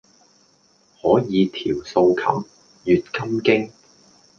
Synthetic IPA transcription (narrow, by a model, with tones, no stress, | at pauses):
hɔː˨˥jiː˨˧t̪ʰiː˨˩wso˧wkʰɐ̰˨˩m | jyː˨t̚kɐ˥mkɪ˥ŋ